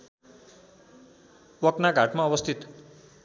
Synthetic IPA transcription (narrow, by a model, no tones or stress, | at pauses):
wʌknaɡʱaʈmaʌbʌst̪ʰit̪